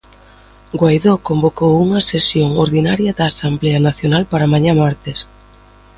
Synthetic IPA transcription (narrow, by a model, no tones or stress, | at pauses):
ɡwajðokombokowuŋɐsesjoŋoɾðinaɾjɐdaːsamblɛanaθjonalpaɾamaɲãmaɾt̪es